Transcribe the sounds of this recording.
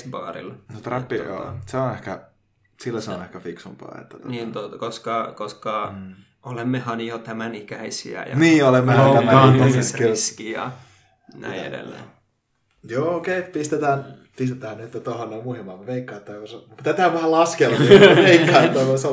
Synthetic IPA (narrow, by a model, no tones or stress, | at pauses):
pɑ̰ːrḭlnot̪ræpːijo̰ːseonehkæ | silːæseonehkæfiksumpɑ̰ːḛt̪ːæniːnt̪ot̪ɑkoskɑkoskɑ | olemːehɑnjot̪æmænikæisḭæ̰jɑniːolemːehojæmːæænoseskelskiɑ̰ | næ̰iḛdḛlːḛ | joːokeipist̪et̪æːn | pist̪et̪æːnnyt̪ːt̪olonːomuhemːɑmeʋeikːɑˑːt̪ːɑːkosemut̪æt̪æːʋæhælɑskelɑʋeikkːɑːt̪ːɑːkose